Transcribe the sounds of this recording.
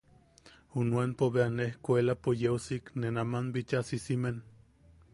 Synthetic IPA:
hunuanpoβeanehkoelapojewsiknenamanbit͡ʃasisimen

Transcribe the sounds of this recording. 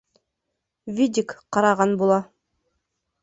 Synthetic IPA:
vʲidʲikqɑɾɑʁɑnbulˠɑ

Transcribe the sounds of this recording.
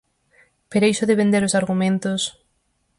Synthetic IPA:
peɾejsoðeβẽnd̪eɾosaɾɣumẽnt̪os

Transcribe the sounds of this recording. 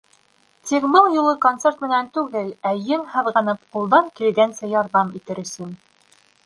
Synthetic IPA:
t̪ikbɤlˠjulˠɤkont̪sert̪mɘ̆nænt̪ʉɡɘlæjɘŋhɤ̆ðʁɑnɤp̚qulˠd̪ɑŋkilɡænsæjɑɾðɑmit̪ɘɾɵ̆sɵn

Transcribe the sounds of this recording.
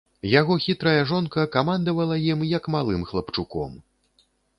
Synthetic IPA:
jaɣɔxʲit̪ɾɐjɐʐɔnkɐkamand̪ɐvɐlˠɐjimjɐkmalˠɨmxlˠɐpt͡ʂukɔ̰m

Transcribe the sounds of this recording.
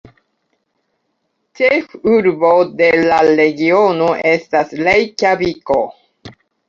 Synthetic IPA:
t͡ʃexuɾbo̞de̞laɾe̞ɡionoʔestaslejkabiko

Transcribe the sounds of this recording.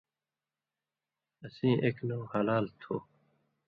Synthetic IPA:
əsĩːʔeːknoːhɐlaːlt̪ʰoː

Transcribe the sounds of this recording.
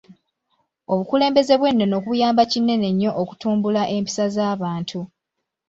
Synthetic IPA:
o̞βukule̞ːmbe̞ze̞βwe̞nːo̞no̞ːkuβujaːmbacinːe̞ne̞ɲːo̞ʔːku̥tuːmbulaʔe̞mpi̥sazaːβaːntʰu

